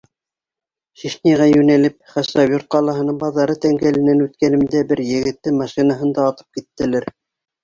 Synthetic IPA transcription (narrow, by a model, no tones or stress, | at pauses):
ʃiʃnʲiʁɑjʉnælɘp̚χæsɑβʲjurt̪̚qɑlˠɑɦɤ̆nɤɴbɑðːɑɾɤt̪æŋɡælɘ̆nænʉt̪kænɘ̆md̪æbɘɾjɘ̆ɡɘ̆t̪ːɘmɑʃinɑɦɤ̆nd̪ɑːt̪ɤ̥p̚kit̪ːɘ̆læɾ